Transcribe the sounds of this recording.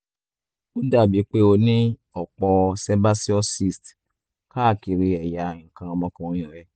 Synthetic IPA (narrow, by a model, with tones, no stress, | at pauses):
u˦da˦˨bi˨˦k͡pe˦o˧nĩ˦ɔ˨k͡pɔ˧sɛ˦ba˦si˦ɔ˦si˧˨st | ka˦˨ki˨˧ɾi˧ɛ˨ja˨˦ŋ̩˨kã˧ɔ˧mɔ̃˧kã˧o˧j̃ɔ̃˨ɾɛ˨˦